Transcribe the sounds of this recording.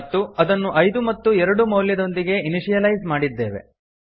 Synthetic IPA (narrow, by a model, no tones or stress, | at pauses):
t̪ːuɐd̪ɐnːuʔɐjd̪umɐt̪ːuɛɾɐɽumɐwljɐd̪o̞nd̪iɡe̞iniʂijɐlɐjzmaːɽid̪ːe̞ːʋe̞̰